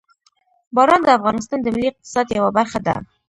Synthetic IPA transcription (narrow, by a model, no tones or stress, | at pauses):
bɑɾɑnd̪əafɣɑnɪs̬t̪ɑnd̪əmɪlːiɪq̚t̪ɪ̥sɑd̪jawabaɾχad̪a̰